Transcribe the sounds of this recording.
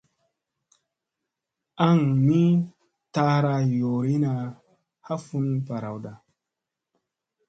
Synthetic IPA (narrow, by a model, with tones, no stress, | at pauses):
a˦˨ŋmi˦ | ta˦ɾa˧jo˨ɾi˦na˨ | ha˦fu˦n˦pa˨ɾa˨wɗa˨